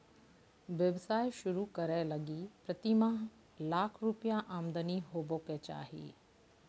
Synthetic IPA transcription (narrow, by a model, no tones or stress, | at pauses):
ʋjəʋsaːjʃʊɾukəɾɛləɡipɾət̪imã | laːkʰɾupjaʔaːmd̪əniɦoːboːket͡ʃa̰ːɦḭː